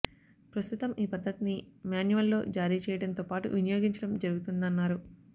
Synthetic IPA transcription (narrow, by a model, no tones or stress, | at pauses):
pɾɐst̪ut̪ɐmiːpɐd̪ʱːɐt̪inimjaːnjuʋɐlːo̞ːd͡ʒaːɾiːt͡ʃɛːjɐɽɐnt̪oːpaːʈṵʋinɐjoːɡiɲt͡ʃɐɽɐmd͡ʒɐɾuɡut̪und̪ɐnːaːɾu